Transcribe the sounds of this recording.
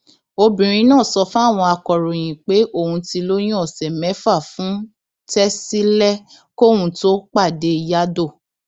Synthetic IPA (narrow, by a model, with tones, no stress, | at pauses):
o˧bĩ˨ɾ̃ĩ˧˦nãː˦˨sɔ˧fũ˦a˦˨w̃ɔ̃˧a˧kɔ˨ɾo˨j̃ĩ˨k͡pe˨˦ʔo˦˨hũ˧ti˧lo˦j̃ĩ˦ɔ˦˨sɛ˨mɛ̃˨˦fa˦˨fũ˨˦ | tɛ˦si˦lɛ˦˨ | ko˦˨wũ˧to˦k͡pa˦˨de˨˦i˧ja˦do˦˨